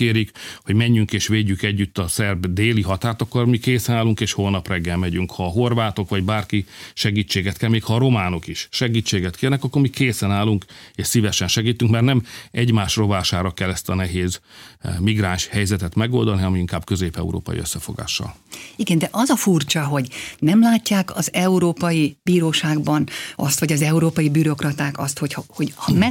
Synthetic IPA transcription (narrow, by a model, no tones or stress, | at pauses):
keːɾikho̞ɟmɛɲːyŋkeːʃʋeːɟːykɛɟːyt̪ːɒsɛrbd̪eːliɦɒt̪aːrt̪ɒkːormikeːsɛnaːlːuŋkeːʃhoːlnɒprɛɡːɛlmɛɟyŋkhɒːɦorvaːt̪o̞kʋɒɟbaːrkiʃɛɡiːt͡ʃːeːɡɛt̪kʰɛlmeːkhɒːɾo̞maːno̞kiʃʃɛɡiːt͡ʃːeːɡɛt̪kʰeːrnɛkɒkːormikeːsɛnaːlːuŋkeːʃsivɛʃɛnʃɛɡiːt̪yŋkmɛrt̪nɛmɛɟmaːʃro̞vaːʃaːɾɒkɛlːɛst̪ɒnɛɦeːzmiɡraːnʃhɛjzɛt̪ɛt̪mɛɡo̞ld̪ɒniɒmiiŋkaːbkøzeːpɛ̰ṵɾo̰ːpɒ̰jḭø̰sːɛfo̞̰ɡa̰ːʃːɒ̰liɡɛnd̪ɛʔɒzɒfurt͡ʃɒɦo̞ɟnɛmlaːcːaːkɒzɛuɾoːpɒjib̥iːɾoːʃaːɡbɒnʔɒst̪ʋɒɟɒzɛuɾoːpɒjibyɾo̞krɒt̪aːkɒst̪ho̞chɒho̞ɟhɒmɛ